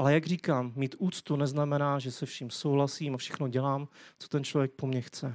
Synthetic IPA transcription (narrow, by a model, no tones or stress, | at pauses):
ʔalɛjaɡriːkaːmːiːt̪ʔuːt͡st̪unɛznamɛnaːʒɛsɛfʃimsowɦlasiːmafʃɛxnoɟɛlaːmt͡so̥t̪ɛnt͡ʃlovjɛk̚pomɲɛxt͡sɛ